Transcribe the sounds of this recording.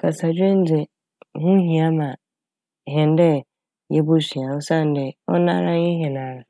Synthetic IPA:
kʰa˨sa˨d͡ʑᶣẽ˦n˦d͡zɪ˨ | hʊ̃˦ɦĩ˨a˦mã˨ | ɦɛ̃˨n˦dɛ˦ | jɛ˦bʊ˦si˨ã˨ʊ˦sã˦˨n˦dɪ˨ɔ̰˦nã̰˦ɾã˦jɛ˦ɦɛ̃˨nã˨˦ɾa˨

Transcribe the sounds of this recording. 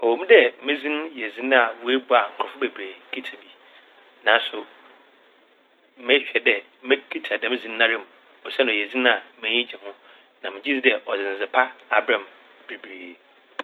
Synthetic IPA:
ɔ˨wo˨mĩ˦dɛ˦mɪ̃˦zĩ˦n˦jɛ˨zĩ˦n˦a˨wu˦e˦bʊ˦a˨ŋ̩˨kʰʊ˨ɔ˨fʊ˦be˨bɾeː˨kʰi˦tʰa˨bi˨ | nã˨n˦sʊ˨ | mɪ̃˦ɕᶣɛ˨dɛ˨ | mɪ̃˦kʰi˦tʰa˨dɛ˨mɪ̃˦zĩ˦nː˦ã˦ɾɪ̃˦˨m˨ | ɔ˨sɛ˦n˨jɛ˨zĩ˦ñ˦a˨mɪ̃˦ɲĩ˦d͡ʑɛ˨hʊ̃˦ | nã˨mɪ̃˨d͡ʑi˦zi˦dɛ˨ʔɔ˨zɪ̃˨n˨zɪ˨pʰa˦a˦bɾã˨m | b̥e˨bɾeː˨

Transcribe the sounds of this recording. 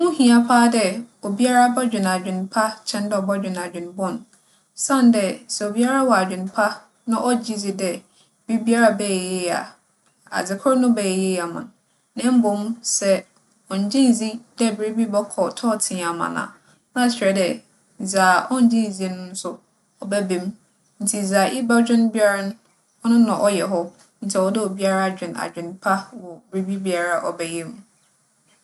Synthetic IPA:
mʊ̃˦hĩ˨a˨pʰaː˦dɛ˦o˨bi˦a˦ɾa˦bɛ˦d͡ʑᶣɪ̃˨n˨a˨d͡ʑᶣɪ̃˨n˨pʰa˦t͡ɕʰɛ̃˦n˦dɛ˦ɔ˨bɔ˦d͡ʑᶣɪ̃˨n˨a˨d͡ʑᶣɪ̃˨n˨˦bʊ̃˦˨n˨ | sã˦˨n˦dɛ˦sɛ˨o˨bi˦a˦ɾa˦wɔ˨a˨d͡ʑᶣɪ̃˨n˨˦pʰa˦ | nʊ̃˦ʔɔ˦d͡ʑi˦d͡zi˦dɛ˨ | bi˦bi˦a˦ɾa˦bɛ˦ɛ˨je˦a̰˨ | a̰˨d͡zɪ˨kʰʊ˦nʊ̃˦bɛ˨ɛ˨je˦˨a˨mã̰˨n | nɛ̃˦m̩˦bʊ̃˨˦msɛ˦ | ɔ̃˨ɲ˨d͡ʑɪ̃˦n˨zi˦dɛ˦˨bɾe˦bi˦bɛ˦kʰɔ˨tʰɔː˦˨tʰɪ̃˨a˨mã̰˨nã̰ː˨ | nã˦˨ɕᶣɾɛ˨dɛ˨ | zaː˨ʔɔ˦n̩˨d͡ʑĩ˦˨d͡zi˦nʊ̃˦n̩˦sʊ˦ | ɔ˨bɛ˦bẽ˨m˦ | n̩˨tʰi˨d͡zaː˨ʔi˦ba˦d͡ʑᶣɪ̃˦n˦bi˦a˦ɾa˦nʊ̃˦ | ɔ˦nʊ̃˦nã˨ʔɔ˦jɛ˨ɦɔ˦ | n̩˦t͡sʰɛ˨ɔ˦dɪ˦ɔ˨bi˦a˦ɾa˦˨d͡ʑᶣɪ̃˨na̰˨d͡ʑᶣɪ̃˨npʰa˦wɔ˨bɪ˨ɾe˦bi˦bi˦a˨ɾa˨ʔɔ˨bɛ˨je˦m˦

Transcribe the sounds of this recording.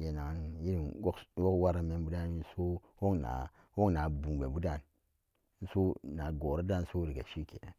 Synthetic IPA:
je˨na˨ŋ˦nji˦i˨o˦kwo˦kwa˦ɾa˦me˦nbu˦da˦˨ni˦n˦so˦ | wo˦kna̰˨ | wo˦kna˨bu˨be˨bu˦da˦˨n˦ | n̩˦so˦na˨ɡo˨ɾa˦da˦˨n˦so˦ɾi˨ɡa˨ʃi˦kḛ˨nḛ˨n

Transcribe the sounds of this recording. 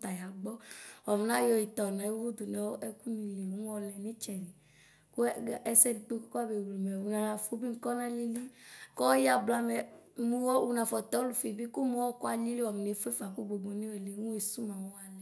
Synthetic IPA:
t̪a˨ja˨ɡ͡bɔ˦wɔ˨m˨nã˦jɔ˧i˨t̪ɔ˨nɔ̃˨˦wu˦d̪u˨nɛ˨˦wo˦ʔɛ˦ku˦nĩ˨le˨wo˦m˦ɔ˧lɛ˨nĩ˦t͡ʃɛ˨ni˨ | ko˦˨ɛ˦sɛ˦ni˨to˦kka˦be˨ɡe˨mɛ˨wu˨nã˨nã˨fu˦bi˦ŋ̩˦kɔ˦nã˦li˦li˦kɔ˦ja˦bla˦mɛ˨mũ˦wɔ˦wu˨nã˨fɔ˨t̪ɔ˦o˦lu˨fe˨bi˦ku˦mɔ̃˨˦wɔ˦kɔ˦a˨li˦le˦ɔ˨m˨ne˨˦fo˦e˦fa˨ku˦ɡ͡bo˨ɡ͡bo˨˦ne˦we˨le˨˦ŋũ˦e˨su˦mã˨wɔ˦wa˨lɛ˨

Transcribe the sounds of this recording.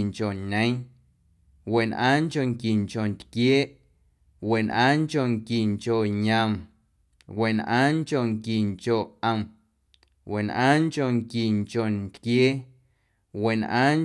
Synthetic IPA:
ŋt͡ʃo˨ɲẽ˦ | we˨nʔã̰ː˦ŋko˨ŋki˨ŋko˨nt̪kjeː˦ʔ | we˨nʔãː˦ŋko˧˨ŋki˨ŋko˨ɲã˧˨m | we˨nʔã̰ː˦ŋko˨ŋki˨ŋko˨ʔə˧˨m | we˨nʔãː˦ŋko˨ŋki˨ŋt͡ʃo˨nt̪kjeː˦ | we˨nʔã̰ː˦ŋ

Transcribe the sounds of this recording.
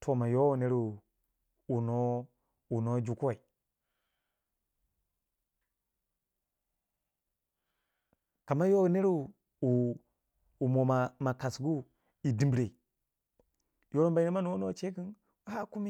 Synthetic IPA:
tʰo˨ma˨jo˦wu˨ne˦ɾu˦˨ | u˨no˦ | u˨no˦d͡ʒu˨ku˦a˨i˨ | ka˨ma˦jo˦u˦ne˦ɾu˦˨ | u˨ | u˨mo˨a˨ma˨ka˨sɡu˦ | i˨di˨mbɾe˨ | jo˦ɾo˦mba˨i˦ne˦ma˦nu˨wo˦no˦˨t͡ʃe˦ki˦n | wha˦ku˦mi˦

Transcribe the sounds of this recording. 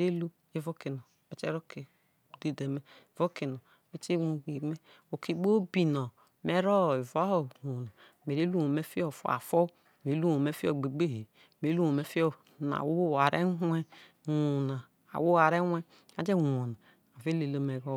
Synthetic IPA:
ɾe˦lo˦ | e˦vo˦ki˨no˨ | e˨t͡ʃe˦ɾo˦ke˨ | de˦de˨me˦˨vo˦ki˨no˨ | e˦t͡ʃe˦wu˨ɡi˨me˦ | o˨ki˨ɡ͡bo˦bi˨no˨ | me˨˦ɾo˦˨i˨va˦o˦˨ho˨na˨ | me˨ɾe˦lu˦wo˨me˦fi˦o˦˨fo̰˨a̰˨fo˦ | me˨˦lu˦wo˨me˦fi˦o˨ɡ͡be˨ɡ͡be˦˨ɦe˨ | me˨˦lu˦o˨me˨˦fi˦o˦ | na̰˨wo˦˨a˨ɾḛ˦ɦɛ˦ | wu˨na˨ | a̰˨wo˦a˨ɾe˦wʷe˦ | a˨d͡ʒe˦˨wu˨na˨ | a˨ve˦le˨lo˦me˨ɾo˦

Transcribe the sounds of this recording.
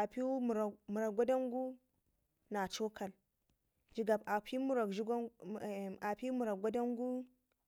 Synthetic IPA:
a˨pi˦m˨ɾmu˨ɾa˨ɡʷa˦da˦ŋɡu˦ | na˨t͡ʃo˦kʰa˨l | d͡ʒi˨ɡa˨ba˨pi˦mu˨ɾa˨ki˦˨ | a˨pi˦mu˨ɾa˨ɡʷa˦da˦ŋɡu˦

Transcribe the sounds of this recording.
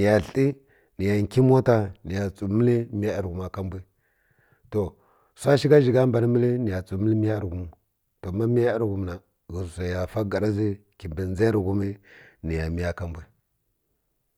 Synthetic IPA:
ni˨ja˨ɬi˦ | ni˨ja˨ŋ˨ki˦m˦o˦ta˨ni˨ja˨t͡sʼu˨mə˦li˦mi˦a˦i˨ɾɡu˨ma˨ka˦mbʷi˦ | to˨ | sʷa˦ʃi˦ɡa˦ʒi˨ɡa˦m˦ba˨ni˦mi˦li˦ni˨ja˨t͡su˨mi˦li˦mi˦ja˦ɾɡu˦m˨ | to˨ma˦mi˦ja˦i˦ɾɡu˨m˨na˨ | ɣi˨sa˨ja˨fa˦ɡa˨ɾa˦zi˦ | ki˨mbi˨n˦za˦ɾɡu˦mi˦ni˨ja˨mi˦ja˦ka˦mbʷi˦

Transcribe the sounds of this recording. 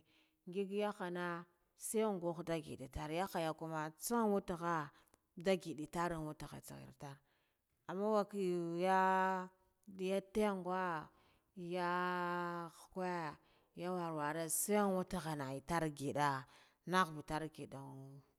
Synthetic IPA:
ŋɡi˦ɡja˦xa˨na˦ | sa˦˨ŋɡo˦xda˦ɡḭ˨dḭ˨ta˦ɾja˦xa˨ja˨ku˦ma˨t͡sa˦wu˦ta˨ɣa˦ | da˦ɡi˨ɗi˨ta˦ɾi˦nwu˦ta˨xa̰˨t͡sḭ˨ɣḭ˨ɾta˦ɾ | a˨mːa˦wa˦ki˦jja˦ | di˦ja˦te˦ŋɡwa˦˨ | ja˦ | xka˦a˦˨ | ja˦wa˨ɾwa˨ɾa˦sa˦a˦nwu˦ta˨ɣa˨na˨i˨ta˦ɾɡi˨da˦ | na˦ɣbu˨ta˦ɾɡi˨da˨u˦

